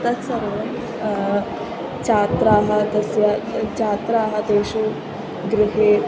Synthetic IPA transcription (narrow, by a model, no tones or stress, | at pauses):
t̪ɐsɐʋo | t͡ʃaːt̪ɾaːɦɐd̪ɐsjɐt͡ʃaːt̪ɾaːɦɐd̪eːʃu | ɡɾɪɦeː